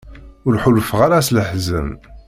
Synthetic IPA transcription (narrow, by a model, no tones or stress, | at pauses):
ʊɾħulfəʁaɾasləħzəm